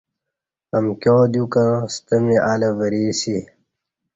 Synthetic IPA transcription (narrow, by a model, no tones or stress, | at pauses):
ɐmkjoːd̪jukɐst̪ɐmiʔaːlɐvɐɾiːsi